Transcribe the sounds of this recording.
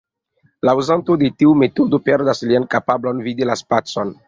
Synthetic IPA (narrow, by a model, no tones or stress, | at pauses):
lauzantod̪et̪iumet̪od̪opeɾd̪asliankapablonvid̪ilaspat͡son